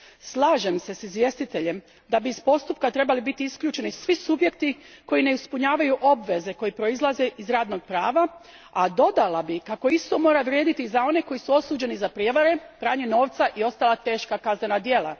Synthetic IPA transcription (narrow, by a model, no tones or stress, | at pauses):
slˠaːʒe̞mse̞sizʋje̞st̪it̪e̞ʎe̞m | d̪abiːspo̞st̪up̚kat̪ɾe̞balibit̪iiskʎuːt͡ʃe̞nisʋisubje̞k̚t̪iko̞jine̞ispuɲaːʋajuʔo̞bʋe̞ze̞ko̞jepɾo̞izlˠaze̞ʔizɾaːd̪no̞ɡ̚pɾaːʋa | ad̪o̞d̪alabikako̞ist̪o̞mo̞ːɾaʋɾje̞ːd̪it̪izao̞ne̞ko̞jisuo̞suːd͡ʑe̞nizapɾijeʋaɾe̞pɾaːɲeno̞ːʋt̪saʔio̞st̪alat̪e̞ːʃkakazne̞nad̪je̞la̰